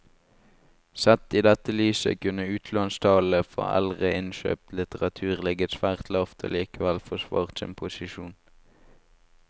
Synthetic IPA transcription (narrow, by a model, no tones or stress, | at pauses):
sɛt̪iːd̪ɛt̪əlyːsə̰kʉnəʉːt̪ʰlɑnst̪ʰɑːləfo̰ːæ̰lʁəɪnʃø̰ːp̚t̪lɪt̪əʁɑt̪ʰʉːʁlɪɡət̪sʋæːʁt̪ʰlɑːʋt̪ʰo̰ːliːkəʋælfɔʃʋɑ̰ːʁt̪sɪ̰npʰʊsɪʃuːn